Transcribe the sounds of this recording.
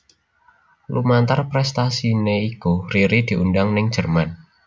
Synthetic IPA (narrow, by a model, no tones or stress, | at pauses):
lumant̪arpɾɛst̪asineikuriɾid̪̥i̤ʔundaŋnɪŋ̥d͡ʒ̥ərman